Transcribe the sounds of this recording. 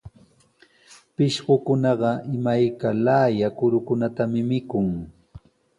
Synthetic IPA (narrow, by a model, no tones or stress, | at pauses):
pɪʃɢokʊnɑɢɑʔɪmajkalaːjakʊɾʊkʊnat̪amɪmɪkʊŋ